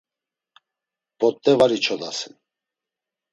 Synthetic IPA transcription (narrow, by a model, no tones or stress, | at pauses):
b̥ɔt̪ʼːɛvaɾit͡ʃʰɔd̪a̰sin